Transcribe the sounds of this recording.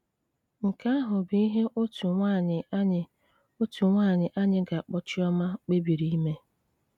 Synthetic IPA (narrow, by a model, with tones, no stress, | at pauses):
ŋ̩˨ka˦a˦ɦʊ˨bi˦ɦe˦ʔo˦tu˨ŋʷa˦˨ɲɪ˨˦ɲɪ˨ | o˦tu˨ŋʷaː˦˨ɲɪ˨ʔa˦ɲɪ˦ɡa˨k͡pɔ˨t͡ʃɪ˦ɔ˦ma˦k͡pe˦bi˨ɾi˦i˦me˦